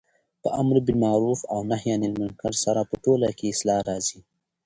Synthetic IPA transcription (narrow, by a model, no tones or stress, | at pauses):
pəʔamɾbimɑɾufawnahjɑnɪlmʊnkaɾsaɾapəʈolakeɪslɑɾɑzi